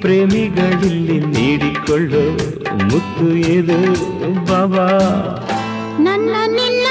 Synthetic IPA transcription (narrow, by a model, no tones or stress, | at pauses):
pɾeːmiɡɐɭilːiniːɽikɔɭːu | mut̪ːueːd̪ubɐʋa | nɐnːɐnilː